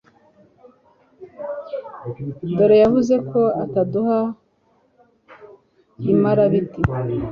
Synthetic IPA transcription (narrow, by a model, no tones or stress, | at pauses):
doɾejavuze̞ko̞ataduha | imaɾaβiti